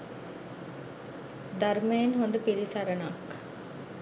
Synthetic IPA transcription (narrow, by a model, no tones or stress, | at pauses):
d̪ɐɾmeːnɦond̪upiɾisɐɾɐnaːk